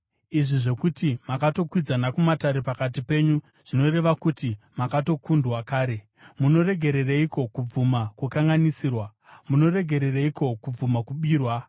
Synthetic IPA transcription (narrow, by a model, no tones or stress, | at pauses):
iʐiʐe̞kutimakato̞kwid͡zanakumataɾepakat̬ipe̞ɲu | ʐ̥ino̞ɾe̞ʋakuti | makato̞kundwakaːɾe̞ | muno̞re̞ɡʱe̞ɾe̞reiko̞kub͡vumakukaŋɡanisiːrwa | muno̞re̞ɡʱe̞ɾe̞reiko̞kub͡vumakuɓiːrwa